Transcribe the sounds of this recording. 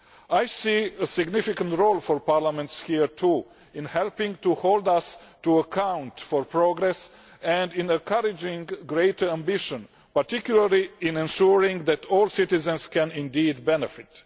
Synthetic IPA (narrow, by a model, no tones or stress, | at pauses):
ajsiəsɪɡnɪfɪkə̃ntɹolˠfɔɹpaɹlamɛ̃ntshiɹtʰu | ɪ̃nhɛlpɪ̃ŋtuholdʌstuəkʰãʊ̃ntfɔɹpɹoɡɾɛs | ɛ̃ndɪ̃nə̃nkʰʌɾɪd͡ʒɪ̃ŋɡɹeɪtʰə˞æ̃mbɪʃə̃n | paɹtɪkjuləɹliɪ̃nɛ̃nʃuɹɪ̃ŋðætʰɔlˠsɪtɪzə̃nskɛ̃nɪ̃ndiːdbɛnɛfɪt